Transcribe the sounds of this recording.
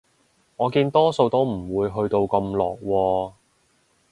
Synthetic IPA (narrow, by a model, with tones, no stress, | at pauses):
ŋɔː˨˧kiː˧nt̪ɔː˥so˧wt̪o˥wm̩˨˩wuː˨˧jɦɵ˧ɥt̪o˧wkɐ˧mlɔː˨k̚wɔː˧